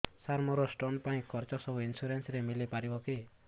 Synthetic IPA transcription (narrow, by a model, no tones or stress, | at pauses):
saɾmuɾɔsʈonpaĩkʰɔɾt͡ʃɔsɔbuinsuɾensɾemilipaɾibɔki